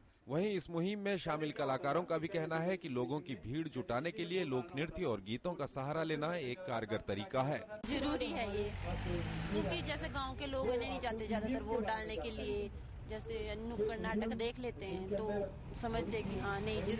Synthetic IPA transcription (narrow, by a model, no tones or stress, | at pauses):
ʋɐɦĩɪsmʊɦɪmːẽʃaːmɪlkɐlaːkaːɾõkabʱikɛɦnaɦɛkiloːɡõkibʱiːɽd͡ʒʱʊʈaːnekelieloːknɪɾt̪iɔːɾɡiːt̪õkasɐɦaːɾaleːnaeːkːaːɾəɡəɾt̪ɐɾiːkaɦɛːzɐɾuːɾiɦɛjeː | kjõːkid͡ʒɛːseɡãːõkeloːɡɛnɐɦĩnĩd͡ʒaːt̪ezjaːd̪at̪əɾʋoɖaːlnekelie | d͡ʒɛːsenʊkəɾnaːʈəkd̪eːkʰleːt̪eɦɛ̃t̪o | sɐməd͡ʒʱt̪eɦɛkiɦãːnɐɦĩd͡ʒɐ